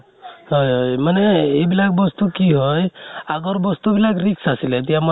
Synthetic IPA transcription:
hɔjɦojmanɛebilak̚bɔst̪ukiɦɔjaɡɔɾbɔst̪ubilakɾiksasilɛt̪̬ijamɔ

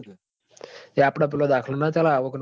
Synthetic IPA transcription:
eapɽap̬ilɔd̪akʰlənat̪jalaːʋəkn

